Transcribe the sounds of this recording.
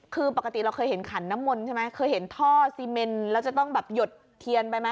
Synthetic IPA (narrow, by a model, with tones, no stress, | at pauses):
kʰɯː˧pa˨˩ka˧t̪i˨˩ɾa˧wkʰɤː˧jɦe˩˦nkʰa˩˦nːa˦˥mːo˧nt͡ɕʰe˥˩ma˦˥jkʰɤː˧jɦe˩˦nt̪ʰɔː˥˩siː˧me˧nlɛː˦˥wt͡ɕa˨˩t̪ɔ˥˩ŋbɛː˨˩p̚jo˨˩t̪̚ʰːi˧ənpa˧jma˦˥